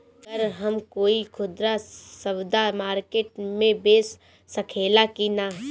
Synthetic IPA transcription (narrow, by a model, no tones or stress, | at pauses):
ɡəɾɦɐmkoːikʰʊd̪ɾasɐbd̪amaːɾkeːʈ̚mẽbeːsː | ɐkʰeːlakinaɦ